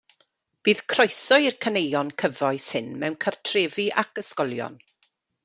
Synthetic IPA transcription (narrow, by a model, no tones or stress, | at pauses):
b̥iːð̥kʰrɔjsɔɨirkʰənejɔnkʰəvɔɨshɨnmɛwnkʰartʰreːviʔakəskɔlˠjɔ̰n